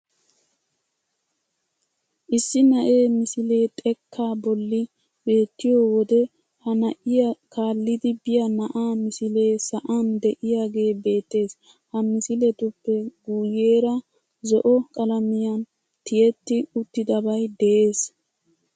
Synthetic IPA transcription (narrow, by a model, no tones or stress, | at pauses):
ʔɪsːɪnɐʔe̞ːmɪsɪle̞ːt̪ʼɛkʰːaːbɔlːɪ | b̥e̞ːt̪ːɪjoːwɔd̪ɛ | hɐnɐʔɪjɐkaːlːɪd̪ɪbɪjɐnɐʔaːmɪsɪle̞ːsɐʔand̪ɛʔɪjaːɡe̞ːbe̞ːt̪ːe̞ːs | hɐmɪsɪlɛt̪ʊpːɛɡuːje̞ːɾɐ | zɔʔɔkʼɐlɐmɪjɐn | t̪ɪjɛt̪ːɪʊt̪ːɪd̪ɐbɐjd̪ɛʔe̞ːs